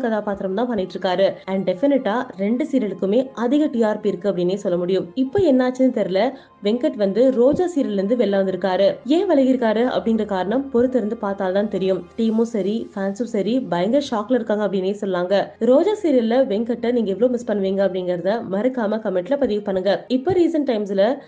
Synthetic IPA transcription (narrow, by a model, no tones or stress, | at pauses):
kɐðaːpaːt̪ɪɾɐmt̪ãːpɐnːɪʈːɪɾɯkːaːɾɯɐɳɖɖɛfɪnɪʈːaːɾɛɳɖɯsiːɾɐlɯkːɯmeːʔɐðɪɣɐʈiːaːɾpiɪɾɯkːɯɐpːɐɽɪneːsɔlːɐmʊɽɪjɯmɪpːoːɛnːaːt͡ʃːɯnɯt̪ɛɾɯlɐ | ʋɛŋkɐʈʋɐnd̪ɯɾoːd͡ʒaːsiːɾɐlɾɯnd̪ɯʋɛɭːɐʋɐnd̪ɪɾɯkːaːɾɯeːʋɐɭɐɣɪɾɯkːaːɾɯʔɐ̰pːɐɽɪŋɡɪɾɐkaːɾɐɳɐmpɔɾɯt̪ːɪɾɯnd̪ɯpaːɾt̪aːlt̪ãːnt̪ɛɾɪjɯmʈiːmoːsɐɾifaːnsusɐɾibɐjɐŋɡɐʂaːklɐɪɾɯkːaːŋɡɐpːɐɽɪneːsɔlːaːŋɡɐɾoːd͡ʒaːsiːɾɪlɐʋɛŋkɐʈːɐniːŋɡɐɛʋɐɭoːmɪspɐɳːɯʋiːŋɡɐpːɐɽɪŋɡɪɾɐðɐmɐɾɯkːaːmɐkɐmɛʈːlɐpɐðɪɣɐpɐɳːɯŋɡɐɪpːoɾiːsɐnʈɐɪmsɪlɐ